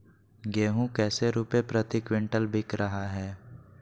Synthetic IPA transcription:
ɡeːɦũkɛːseɾuːpepɾət̪ikʋɪ̃ɳʈəlbʱɪkɾɐɦaɦɛː

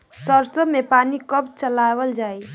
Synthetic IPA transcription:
səɾsəmepanikəpt͡ʃəlawəld͡ʒaːi

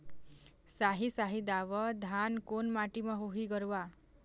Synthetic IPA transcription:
saɦisaɦid̪aʋɔd̪ʱankonmaʈimaɦoɦiɡɔɾua

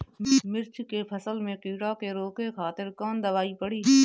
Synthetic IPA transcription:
mɪɾt͡ʃkepʰɐsəlmẽqiːɽakeɾoːkexaːt̪ɪɾkɔːnd̪ɐʋaːipɐɽiɦɛː

